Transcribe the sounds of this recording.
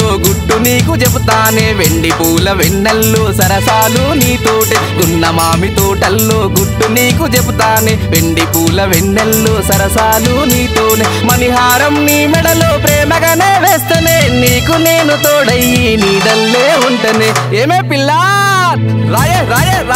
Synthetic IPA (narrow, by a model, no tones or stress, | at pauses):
oːɡuʈːuniːk̬ut͡ʃebut̪aːneːʋeɳɖipuːlɐʋeɳːelːoːsɐɾɐsaːluniːt̪oːʈeɡ̪unːɐmaːmit̪oːʈɐlːoːɡuʈːuniːkut͡ʃebut̪aːneːʋeɳɖipuːlɐʋeɳːelːoːsɐɾɐsaːluniːt̪oːneːmɐniɦaːɾɐmniːmɛɽɐloːpɾɛːmɐɡɐneːʋeːst̪eneːniːkuneːnut̪oːɽɐjːiniːɽɐlːeːuɳʈɐneːeːmeːpilːaːɾ | ɾaːjeɾaːje